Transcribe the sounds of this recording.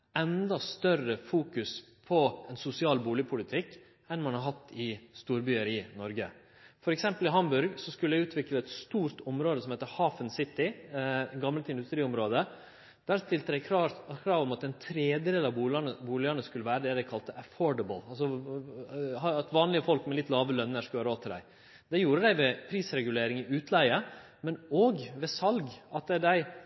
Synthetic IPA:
ɛnd̪ɑst̪œrəfuːkʉs | pʰɔɛnsʊsɪɑːlbuːlɪəpʰʊlɪt̪ʰɪkː | ɛnmɑnhɑɾɦɑt̪ːɪst̪uːɾbyːəɾɪnɔɾɡə | fɔɾɛksɛmpəlɪɦɑmbʉɾɡsɔskʉləæɪʉːt̪ʰʋɪkləɛt̪st̪uːɾt̪ɔmɾoːd̪əsɔmheːt̪əhɑːfənsɪt̪ːɪ | ɡɑməlt̪ɪnd̪ʉst̪ɾiːɔmɾoːd̪ə | d̪̥æɾst̪ɪlt̪əd̪æɪkʰɾɑɾkʰɾɑːʋɔmɑt̪ɛnt̪ʰɾeːd̪əd̪eːlɑbuːlɑnəbuːlɪənəskʉləʋæːɾəd̪ɛd̪æɪkʰɑlt̪əʔəfɔːɖəbəl̩ɑls̬ɔ | hɑɑt̪ʋɑːnlɪəfɔlkmɛlɪt̪ːlɑːʋəlœnːəʂkøːɾoːt̪ʰːəɖd̪æ̰ɪ | d̪̥ɛjuːɾəd̪æɪʋɛpʰɾiːsɾɛɡʉleːɾɪŋɪʔʉːt̪ʰlæɪə | mɛnoːɡʋɛsɑlɡɑt̪̚d̪ɛd̪æɪ

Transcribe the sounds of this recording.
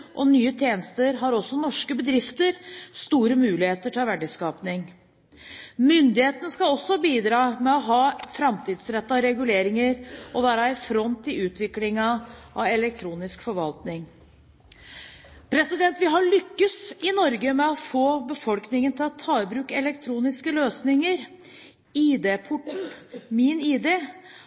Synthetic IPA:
ʔɔnyːət̪ʰjeːnəst̪əɾɦɑɾɔsːɔnɔʂkəbəd̪ɾɪft̪əɾst̪uːɾəmʉːlɪheːt̪əʈʰɑʋæɖɪskɑːpnɪŋ | mʏnd̪ɪheːt̪ənəskɑɔsːɔbiːd̪ɾɑːmɛɔɦɑːfɾɑmt̪ʰiːd̪sɾɛt̪ːɑɾɛɡʉleːɾɪŋəɾʔɔʋæːɾɑɪfɾɔnt̪ʰːɪlʉːt̪ʋɪklɪŋɑʔɑɛlɛk̚t̪ʰɾuːnɪskfɔɾʋɑlt̪nɪŋ | pʰɾɛsɪd̪ɛnt̪ʋɪɦɑɭʏkːəsɪnɔɾɡəmɛɔfoːbəfɔlknɪŋənt̪ʰɪlɔt̪ʰɑːəbɾʉːkəɛlɛk̚t̪ʰɾuːnɪskəløːsnɪŋəɾ | iːd̪eːpʰʊʈːmɪniːd̪eː

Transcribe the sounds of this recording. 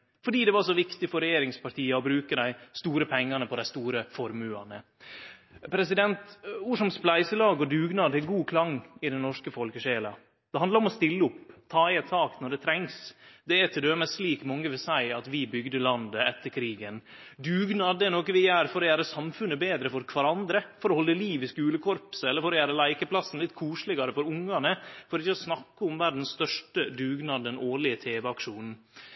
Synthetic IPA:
fɔɖiːd̪ɛʋɑɾʂɔʋɪkt̪ɪfɔɾɛjeːɾɪŋspɑʈʰiːɑɔbɾʉːkəd̪æɪst̪uːɾəpʰɛŋːɑnəpʰɔd̪æɪst̪uːɾəfɔɾmʉɑ̰nə̰ | pʰɾɛsɪd̪ɛnt̪ʋʊʂɔmsplæɪsəlɑːɡɔd̪ʉːɡnɑːd̪ɛɡuːkʰlɑŋɪd̪ɛnnɔʂkəfɔlkəʂeːlɑ̰ | d̪̥ɛhɑnd̪ɑɾɔmɔst̪ɪlːəʊpt̪ʰɑːɪɛt̪sɑːknɔɖɛt̪ʰɾɛŋsd̪ɛæt̪ʰɪd̪øːməsliːkmɔŋːəʋɪlsæɪɑt̪ʋɪbʏɡd̪əlɑnd̪əɛt̪ːəɾkʰɾiːɡən | d̪ʉːɡnɑːd̪əɛnoːkəʋɪjæːɾfɔɾɔjæːɾəsɑmfʉnːəbeːd̪ɾəfɔɾkʰʋɑɾɑnd̪ɾəfɔɾɔhɔlːəliːʋɪskʉːləkʰɔɾpsɛlːəɾfɔɾɔjæːɾəlæɪkəpʰlɑsːn̩lɪt̪ːkʰuːʂlɪɡɑɾəfɔɾʊŋːɑnəfɔɾɪçːəɔsnɑkːəʊmʋæɾɖ̪n̩sst̪œʂʈəd̪ʉːɡnɑːd̪d̪ɛnoːɭɪət̪ʰeːʋəɑkʂuːn

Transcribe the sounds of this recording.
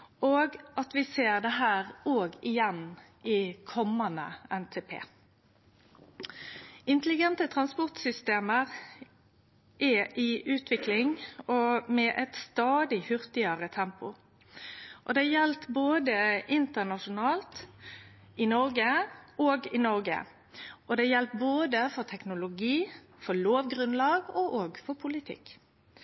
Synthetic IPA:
ʔoːɡɑt̪ʋɪseːʁd̪ɛɦæːʁoːɡɪjɛn | ʔɪkʰɔmːɑnə̰ɛnt̪ʰeːpʰḛː | ɪnt̪əlɪɡɛnt̪ət̪ʰʁɑnspɔʁt̪sʏst̪eːməʁ | ʔɛʔɪʔʉːt̪ʰʋɪklɪŋɔmɛʔɛt̪st̪ɑːd̪ɪhʉʁt̪ɪəʁət̪ʰɛmpʊ | ʔɔd̪ɛjɛlt̪boːd̪əɪnt̪əʁnɑʃʊnɑːlt̪ | ɪnɔʁɡəoːɡɪnɔʁɡə̰ | ʔɔd̪ɛjɛlt̪̚boːd̪əfɔʁt̪ʰɛknʊlʊɡiː | fɔloːʋɡʁʉnlɑːɡoʔoːɡfɔpʰʊlɪt̪ʰɪ̰k

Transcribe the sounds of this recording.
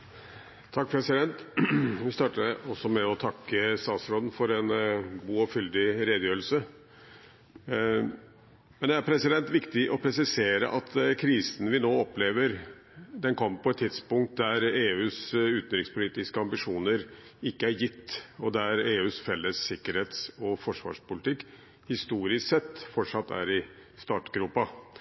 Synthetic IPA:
t̪ʰɑk̚ːpʰɾɛsɪd̪ɛnt̪ʋɪst̪ɑːʈəəɔsɔmɛɔt̪ʰɑkːəst̪ɑːt̪sɾɔːd̪n̩fɔɾɛnɡuːɔfʏld̪ɪɾeːd̪jøːɾəl̩sə | mɛnd̪ɛæɾpʰɾɛsɪd̪ɛnt̪ʋɪkt̪ɪʔɔpʰɾɛsɪseːɾə̰ʔɑt̪kʰɾiːsn̩ʋɪnoːɔpleːʋəɾ | d̪ɛnkʰɔmːəpʰɔɛt̪ʰːɪd̪spʊŋkt̪̚d̪æɾeːʉːsʉːt̪n̩d̪ɾɪkspʰʊliːt̪ɪskəɑmbɪʂuːnəɾɪkːəæɾjɪt̪ːɔd̪æɾeːʉːsfɛlːəsːɪkːəɾheːt̪sɔfɔʂʋɑ̰ːʂpʊlɪt̪ʰɪkː | hɪst̪uːɾɪssɛt̪ːfɔʈʂɑt̪ʰːæ̰ɾɪst̪ɑːʈɡɾuːpɑ

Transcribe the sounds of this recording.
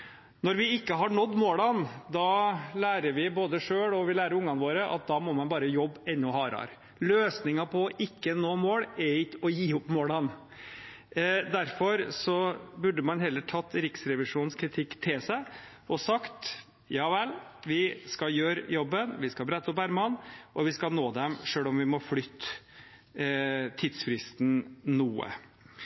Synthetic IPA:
nɔɾʋɪɪkːəɦɑɳɔd̪ːmoːɽɑnd̪ɑlæːɾəɾʋɪboːd̪əʂøːɽɔʋɪlæːɾəɾʊŋːɑnʋoːɾəʔɑ̰t̪̚d̪ɑmɔmɑnbɑːɾəjɔbːɛnːɔhɑːɾɑ̰ɾ | løːsnɪŋɑpʰɔʔɪkːənoːmoːɽɛɪkːɔjiːʊpmoːɽɑn | d̪æɾfɔɾsɔbʉɖəmɑnhɛlːəʈʰɑt̪ːɾɪksɾɛʋɪʂuːnskʰɾɪt̪ʰɪkːt̪ʰɪlsæɪ | ɔsɑkt̪ | jɑːʋɛlʋɪskɑjøːɾjɔbːənʋɪskɑbɾæt̪ːɔpæɾmɑnʔɔʋɪskɑnoːd̪ɛmʂøːlɔmʋɪmɔflʏt̪ː | t̪ʰɪd̪sfɾɪst̪n̩nuːə̰

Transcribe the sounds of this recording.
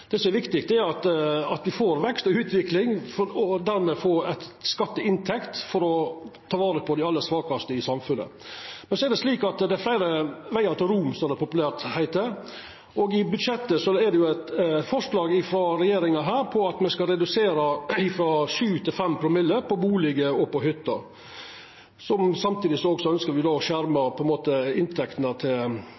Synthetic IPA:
d̪̥ɛːsɔmæɾʋɪkt̪ɪk̚t̪d̪ɛæɾɑt̪ɑt̪ʋɪfoːɾʋɛkst̪ɔʉːt̪ʋɪklɪŋfɔɔd̪æɾmɛfoːɾæt̪skɑt̪ːəɪnt̪ʰɛkt̪fɔɾɔt̪ʰɑːʋɑːɾəpʰɔd̪ɛɑlːəsʋɑːkɑst̪əɪsɑmfʉnːə̰mɛnsɔɛɾɖ̪ɛsliːkɑt̪d̪æɪflæɪɾəʋæɪt̪ɑt̪ɾumsɔmɛd̪ɛpʰʊpʉlæːɾt̪hæɪt̪ə | ɔɡɪbʉd̪ʂɛt̪ːəsɔæd̪ɛjʊæɪt̪fɔʂlɑːɡɪfɾɔɾɛjeːɾɪŋɑɦæːɾpʰɔɑt̪mɛskɑlɾɛd̪ʉseːɾɑɪfɾɔʃʉːt̪ʰɪlfɛmpʰɾʊmɪlːəɾpʰɔbuːlɪɡəɔpɔɦʏt̪ːɑ | sɔmsɑmt̪ʰiːd̪ɪsɔɔɡsɔœnskəɾʋɪd̪oːɔʂæɾmɑpʰɔɛnmoːt̪əɪnt̪ʰɛkt̪nɑt̪ʰɪl

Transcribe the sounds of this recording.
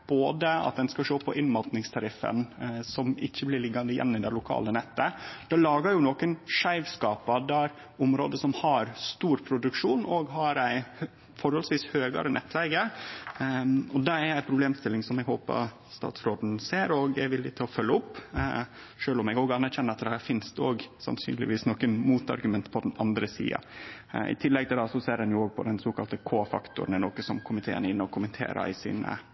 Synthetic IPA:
b̥oːd̪əɑ̰t̪̚d̪ɛnskɑʂoːpʰɔʔɪnmɑlt̪nɪŋst̪ʰɑɾɪfːə̰nsɔmɪ̰çːəblɪɾɭɪɡːɑnd̪əjɛ̰nːɪd̪ɛlʊkʰɑ̰ːlənɛt̪ːəd̪̥ɛːlɑːɡəɾjʊnɔkənʂæɪʋskɑːpɑd̪æɾ | ʊmɾo̰ːd̪əsɔmhɑɾst̪uːɾpʰɾʊd̪ʉkʂuːnɔɡɦɑɾæɪ | fɔɾhɔlsʋiːshøːɡə̰ɾənʔɛ̰t̪ʰːlɛɡə | ɔd̪ɛæɾæɪpʰɾʊbleːmst̪ɪlːɪŋsɔmɛɡho̰ːpə̰ɾ | st̪ɑ̰ːt̪sɾoːd̪n̩seːɾoɡɛʋɪlːɪt̪ʰɪlɔfœlːəʊpː | ʂøːlɔmɛɡoːɡɑnːæɾçɛnəɾɑt̪̚d̪ɛhæːɾfɪnst̪oːɡsɑ̰nsyːnlɪ̰ʋiːsnɔkənmuːt̪ɑ̰ɾɡʉmɛnt̪pʰɔd̪ɛnɑnd̪ɾəsḭːɑ̰ | ɪ̰t̪ʰɪlːɛɡ̚t̪ʰɪld̪ɑsɔseːɾɑnjʊoːɡ̚pʰɔ̰d̪ɛnsoːkɑlt̪əkʰoːfɑ̰kt̪ʊ̰ɾənənoːkəsɔmkʰʊmɪt̪ʰeːə̰nəɪnːəɔkʰʊmənt̪ʰḛːɾə̰ɪsḭːnə̰

